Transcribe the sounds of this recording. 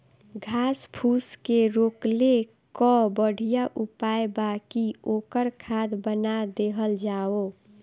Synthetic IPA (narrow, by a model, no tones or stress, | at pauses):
ɡʱaːspʰuːskeɾoːkle | kɔbəɽ̤ʱijaʔupaebakioːkəɾkʰad̪bənad̪eɦəld͡ʒaːo